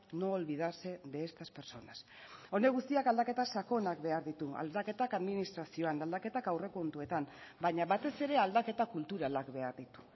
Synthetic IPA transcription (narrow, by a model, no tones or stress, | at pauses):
no̞ːlβið̞ase̞d̪eːst̪aspe̞ɾso̞nas | o̞ne̞ɣ̞ust̪iakald̪ake̞t̪asako̞nakβe̞aɾðit̪ua̰ld̪ake̞t̪akaðminist̪ɾasio̞anald̪ake̞t̪akawre̞ko̞nt̪ue̞t̪ambaɲaβat̪e̞se̞ɾe̞ald̪ake̞t̪akult̪uɾalakβe̞aɾðit̪u̥